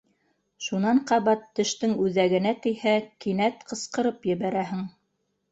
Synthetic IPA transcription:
ʃunɑɴqɑβɑt̪ːɘ̆ʃt̪ɘŋʉðæɡɘ̆næt̪ɘ̆jhækinæt̪qɤ̆sqɤ̆ɾɤpjɘ̆βæɾæɦɘŋ

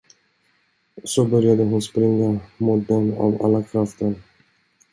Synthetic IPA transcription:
sɔbœɾjad̪əɦʊnspɾɪŋːamʊtd̪ɔna̰va̰lːakʰɾaft̪əɾ

